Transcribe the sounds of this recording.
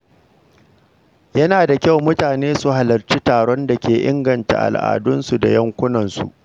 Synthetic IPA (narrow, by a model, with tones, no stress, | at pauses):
jɐ˦naː˨da˨kʲa˦˨wmʊ˦taː˨neː˦su˨ɦa˨lɐ˨rt͡ʃi˦taː˨ɽɔ˦nda˨kʲeː˨ʔɪ̰˦ŋɡɐ˨nta̰˨ʔa̰˨lʔa̰ː˨dʊ˦nsu˨da̰˨jɐ˦ŋkʷʊ˦nɐ˨nsṵ˨ʔ